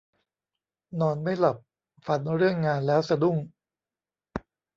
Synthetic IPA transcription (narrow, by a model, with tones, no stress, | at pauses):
nɔː˧nma˥˩jla˨˩p̚ | fa˧nɾɯ˥˩əŋːaː˧nlɛː˦˥wsa˧du˥˩ŋ